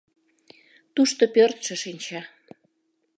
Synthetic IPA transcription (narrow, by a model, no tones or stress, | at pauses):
t̪uʃt̪opørt̪ʃə̆ʃinʲt͡ɕɑ